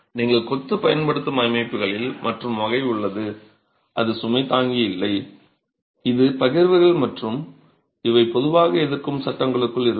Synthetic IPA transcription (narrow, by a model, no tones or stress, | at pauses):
niːŋɡɐɭkɔt̪ːɯpɐjɐnpɐɽɯt̪ːɐmɐjmɐɪpːɯɣɐɭɪlmʔɐʈrɯmʋɐɣɐɪʊɭːɐðɯ | ʔɐðɯsʊmɐɪt̪aːŋɡijɪlːɐɪ | ɪðɯpɐɣɪɾʋɯɣɐɭmɐʈrɯm | ɪʋɐɪpːɔðɯʋaːɣɐɛðɪrkɯmsɐʈːɐŋɡɐɭɯkːɯɭɪɾɯ